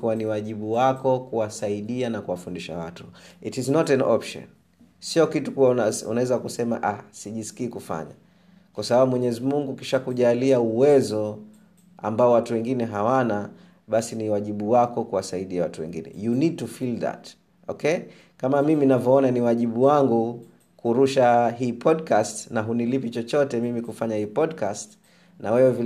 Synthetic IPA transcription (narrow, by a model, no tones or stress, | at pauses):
kuwaniwaʄiɓuwakɔkuwasaiɗianakuwafundiʃa̰wa̰tu̥itiznɔtɛnɔpʃɔ̰n | siɔkitukuwaaṵnawɛzakusɛma̰ʔasiʄiskiːkufa̰ɲa̰ | kwasaɓaɓumwɛɲɛɛzimuŋɡukiʃakuʄaliauwɛzɔ | a̰mbaɔwatuwɛŋɡinɛɦawana | ɓasiniwaʄiɓuwakɔkuwasaiɗiawatuwɛ̰ŋɡḭnɛ̰junid̚tufilða̰t | ɔ̰kɛ | kamamiminavjɔɔnaniwaʄiɓuwaŋɡu | kuɾuʃaɦiːpʰɔdkastnaɦunilipit͡ʃɔt͡ʃɔtɛmimikufaɲahiːpɔdkast | nawɛwɛvi